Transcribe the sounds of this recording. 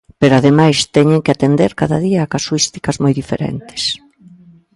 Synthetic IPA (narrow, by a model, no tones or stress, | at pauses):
peɾoaðemajst̪ɛɲɪŋkɪat̪end̪eɾkaðɐ̰ðiɐːkasuist̪ikɐzmojðifḛɾɛ̰nt̪ɪ̥s